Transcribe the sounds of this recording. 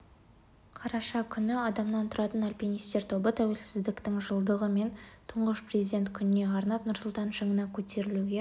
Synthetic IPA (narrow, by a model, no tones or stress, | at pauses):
qʰɑɾɑʃɑkʲʰʏnɪɑd̪ɑmnɑnt̪ʰʊɾɑt̪ənalʲpʲinist̪e̞ɾt̪ʰo̞bət̪ʰæwe̞lsɪzd̪ɪkt̪ɪŋʒəlˠd̪əʁəme̞nt̪ʰʊɴʁəʃprezid̪ʲe̞nt̪kʲʰʏnɪne̞ɑɾnɑt̪nʊɾsʊlˠt̪ɑnʒəŋənɑkʲʰɵt̪e̞ɾɪluɡʲe̞